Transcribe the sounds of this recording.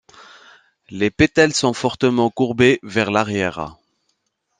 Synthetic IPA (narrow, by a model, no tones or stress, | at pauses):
lepet̪ɛlsɔ̃fɔʁt̪əmɑ̃kuʁbevɛʁlaʁjɛʁ̰